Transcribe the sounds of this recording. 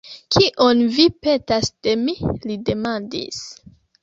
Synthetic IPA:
kʰiʔonvipe̞tasd̥e̞milide̞mandḭs

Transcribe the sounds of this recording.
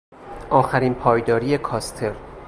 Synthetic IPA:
ʔɒːxæɾiːnpʰɒːjd̪ɒːɾije̞kʰɒːst̪ʰe̞ɾ

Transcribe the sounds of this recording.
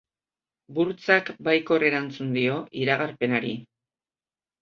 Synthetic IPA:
buɾt͡sakbajko̞re̞ɾant͡sund̪io̞ʔiɾaɣarpe̞naɾi

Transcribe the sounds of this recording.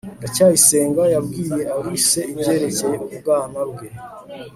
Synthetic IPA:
dacaːjise̞ːŋɡajabɡiːje̞awise̞ibje̞ːɾe̞ceubɡaːmabɡe̞

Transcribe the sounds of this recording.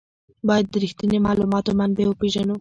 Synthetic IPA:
bɑjad̪ːəɾixt̪inemɑlumɑt̪omand̪̚bewəpeʒanu

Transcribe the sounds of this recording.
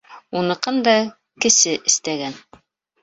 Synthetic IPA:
unɤ̆qɤnd̪ɑ | kɘ̆sɘʔɘ̆st̪æɡæn

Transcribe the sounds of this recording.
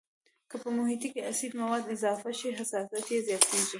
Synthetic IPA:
kəpəmʊɦit̪ikeasid̪mawɑd̪ɪzɑfaʃiɦasɑsat̪jezjɑt̪eʒi

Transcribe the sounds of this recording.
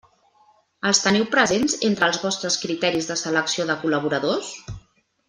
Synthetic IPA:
əlˠst̪əniwpɾəzenzent̪ɾəːlˠzβɔst̪ɾəskɾit̪ɛɾizðəsələksioðəkuləβ̞uɾəðos

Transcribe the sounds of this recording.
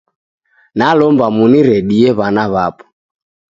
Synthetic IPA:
nalɔmbamuniɾɛɗiɛβanaβapɔ̥

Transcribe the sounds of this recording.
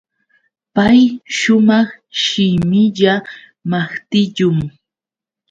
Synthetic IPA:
pajʃʊmɑχ | ʃɪmɪʎa | maχt̪ɪʎʊŋ

